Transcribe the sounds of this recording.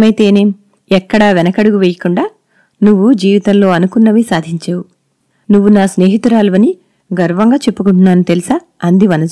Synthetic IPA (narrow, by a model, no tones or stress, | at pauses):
mɐjt̪e̞ːneː | ɛkːɐɽɐʋɛnɐkɐɽuɡuʋeːjɐkuɳɖaː | nuʋːud͡ʒiːʋit̪ɐmlo̞ːɐnukunːɐʋisaːd̪ʱiɲt͡ʃaːwu | nuʋːunaːsne̞ːɦit̪ɾaːluʋɐni | ɡɐɾʋɐŋɡaːt͡ʃe̞pːukuɳʈunːaːnut̪elisɐ | ɐnd̪iʋɐnɐ